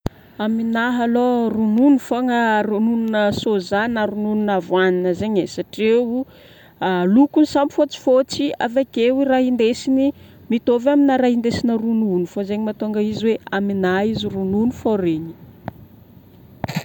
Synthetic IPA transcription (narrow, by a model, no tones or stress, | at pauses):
aminaɦalorununufoŋərunununəsozanaɾununinavwaninəzeɲesaʈ͡ʂewu | alukunisambifot͡si̥fot͡sia̰vakewiɾaɦind̪esini | mit̪ovaminaɾaɦind̪esinərununufazeɲimat̪oŋɡəiziweaminaizirununufoɾeɲi̥